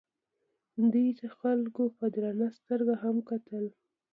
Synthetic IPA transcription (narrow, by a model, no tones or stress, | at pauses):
nd̪ət̪axalkopad̪ɾɑnast̪əɾɡaɦamkat̪əl